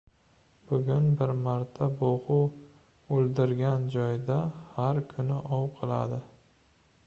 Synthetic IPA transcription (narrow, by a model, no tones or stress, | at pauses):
b̥ʊɡʲʊnbɪɾmaɾt̪ʰaboʁʊw | olˠd̪ɪɾɡʲand͡ʒɒjd̪ahaɾkʰʊnɪʔɒwqʰɨlˠa̰d̪ɪ